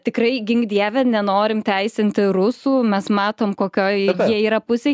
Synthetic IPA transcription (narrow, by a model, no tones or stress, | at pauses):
t̪ʲɪkrɐɪɡʲɪŋɡd̪ʲiɛʋʲɛnʲɛnoːɾʲɪmt̪ʲɛɪsʲɪnʲt̪ʲɪrʊsuːmʲɛsmɑːt̪oːmkoːkʲoːjiɛiːɾɐpʊsʲe